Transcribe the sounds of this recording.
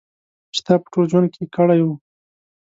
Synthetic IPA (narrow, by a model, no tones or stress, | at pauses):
ʃt̪apə̥ʈod͡ʒwand̪̚kekəɽaju